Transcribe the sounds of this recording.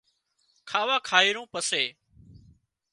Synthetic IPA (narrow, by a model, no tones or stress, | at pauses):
kʰaːʋaːkʰaːiːɾõːpəseː